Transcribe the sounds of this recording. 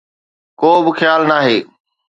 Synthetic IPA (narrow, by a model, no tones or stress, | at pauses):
koːbɪxjaːlnaːɦeː